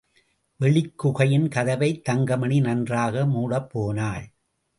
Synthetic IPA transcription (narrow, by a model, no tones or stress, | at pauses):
ʋɛɭɪkːʊɣɐjɪnkɐðɐʋɐɪt̪ːɐŋɡɐmɐɳinɐndraːɣɐmuːɽɐpːoːnaːɭ